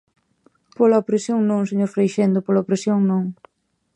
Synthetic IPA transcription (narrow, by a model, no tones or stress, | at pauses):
polaopɾesjoŋnõŋseɲoɾfɾejʃend̪ʊpolaopɾesjoŋnõŋ